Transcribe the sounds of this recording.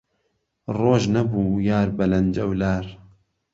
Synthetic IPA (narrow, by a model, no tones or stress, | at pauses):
roːʒnɐbuːjaːɾbɐlɐnd͡ʒɐwlaːɾ